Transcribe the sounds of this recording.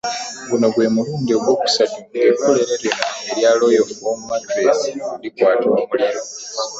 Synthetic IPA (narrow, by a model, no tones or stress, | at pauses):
ɡuno̞ɡwe̞ːmuluːndio̞ɡwo̞ːku̥sadiɡekːo̞le̞ɾeɾinaeɾjaːlo̞ːjouɡomumadɾeːsiulikwaːtoːmuliɾo̞